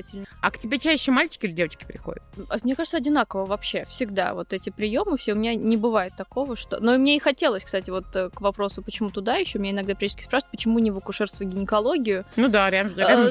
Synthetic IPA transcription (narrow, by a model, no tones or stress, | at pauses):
tʲɪlʲnəɐ̰ktʲɪbʲet͡ɕæɕːɪmalʲt͡ɕɪ̥kʲɪilʲɪdʲevət͡ɕkʲɪ̥pɾʲɪxo̞̰dʲɪ̰t̪ɐmnʲekaʐɨt̪səɐdʲɪn̪akəvəvɐpɕːefsʲɪɡd̪a̰vo̞t̪ɛtʲɪpɾʲɪjo̞mɨfsʲeʊmʲɪnʲanʲɪbɨvajɪt̪ːɐko̞vəʂt̪o̞̰noimnʲeɪxɐtʲe̞lˠəsʲkst̪atʲɪvo̞t̪əkvɐpɾo̞sʊpət͡ɕɪmut̪ʊd̪ajɪɕːomɪneɪnɐɡd̪apɾʲeə̥t̪ʲkʲɪ̥spɾaʂɨ̥vət̚ʲpət͡ɕɪmunʲɪvəkʊʂɛrst̪vəɡʲɪnʲɪkɐlˠo̞ɡʲɪjʊnud̪aɾʲaɾʲa